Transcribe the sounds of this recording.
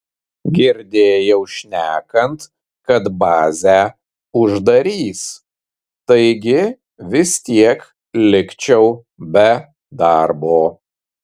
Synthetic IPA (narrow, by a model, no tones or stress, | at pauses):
ɡʲɪɾʲd̪ʲeːjɛʊʃʲnʲæːkɐnt̪ | kɐt̪bɑːzʲæː | ʊʒd̪ɐɾʲiːs | t̪ɐɪɡʲɪ | ʋʲɪst̪ʲiɛk | lʲɪkt͡ʃʲɛʊ | bʲɛ | d̪ɑɾboː